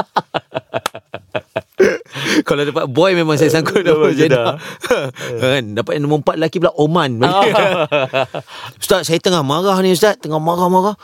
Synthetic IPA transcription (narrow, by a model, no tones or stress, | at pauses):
kaladapat̪̚bɔjmemãŋs̬ajasaŋkʊdapad͡ʒana | andapat̪̚naməmpat̪̚lakipəlaʔomanba | ust̪at̪̚sajat̪əŋahmaɣahnĩus̬t̪at̪̚t̪əŋahmaɾahmaɾah